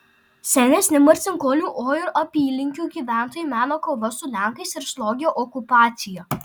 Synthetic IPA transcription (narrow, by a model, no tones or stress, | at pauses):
sʲɛnʲeːsʲnʲɪmɐɾʲtsʲɪŋkoːlʲuːʔoːjʊɾʔɐpʲiːlʲɪŋʲkʲuːɡʲiːʋʲæˑnt̪oːjuːˑmʲæːnoːkoːʋɐsʊlʲæˑŋkɐɪsɪɾslˠɔɡʲɪjoːʔɔkʊpɑːt̪sʲɪjoː